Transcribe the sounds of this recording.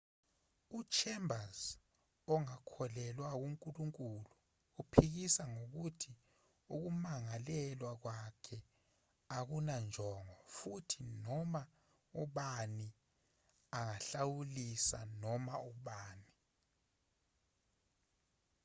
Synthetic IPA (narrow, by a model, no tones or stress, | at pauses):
ut͡ʃʰɛmbʱaz | ɔŋakʰɔlɛlwak̬uŋkʼuluŋkʼuluː | pʰik̬isaŋok̬utʰi | uk̬umaŋalɛlwak̬wakʰɛ | ak̬unand͡ʒʱɔŋwafutʰinɔma | ɔɓani | aŋaɬawulisa̰nɔmaɔɓaːni